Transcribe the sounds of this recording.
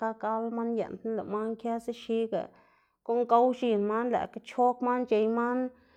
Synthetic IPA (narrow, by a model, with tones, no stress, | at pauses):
ka˦ka˦lma˦njḛ˨nt̪na˦la̰˨ma˦nkja˦se˦ʃi˦ɡa̰˨ | ko˦ŋɡa˦wʃi˧˨nma˦nla̰˨ka˧˦t͡ʃo˦kma˦nt͡ʃe˧jma˦n